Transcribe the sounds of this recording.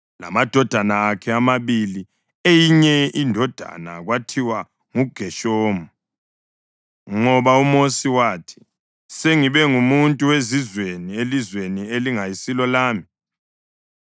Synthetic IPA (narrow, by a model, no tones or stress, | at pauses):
la̰mad̥ʱɔd̥ʱanaːkʰɛamaβili | ejiɲɛindʱɔd̥ʱa̰na̰ɣwatʰiwa | ŋuɡ̥ʱɛʃoːmu | ŋɔβaumosiwaːtʰi̥ | seŋiβɛŋumuntʼuwezizwenielizwenieliŋajisilɔlaːmi